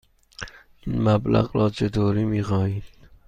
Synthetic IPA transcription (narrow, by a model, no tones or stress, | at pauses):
inmæblæ̰ɣɾɒːt͡ʃʰed̪oːɾiːmiːxɒːhiːd̪